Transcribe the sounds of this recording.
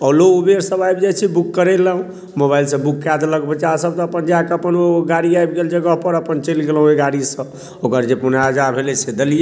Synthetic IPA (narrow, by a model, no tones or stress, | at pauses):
ɔloobeɾsəbajbd͡ʒat͡ʃʰibukːəɾeləɦũ | mobajlsə̃bukːad̪ləɡbət͡ʃasəb̚t̪əpənd͡ʒakeəpənoɡaɽiajb̚ɡeld͡ʒəɡəɦpəɾəpənt͡ʃelɡelɦũeɡaɽisə̃ | okəɾd͡ʒepunad͡ʒabʱelɛsed̪əlije